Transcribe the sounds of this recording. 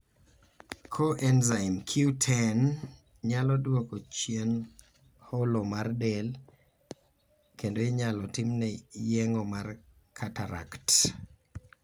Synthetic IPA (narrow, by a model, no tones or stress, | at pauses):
kʰoʔɛnzaɪmkʰjutʰɛn | ɲalɔdwɔkot͡ʃjen | holomardel | kendoeɲalɔtɪmnɛjɛŋɔmar | kʰataɾa̰kt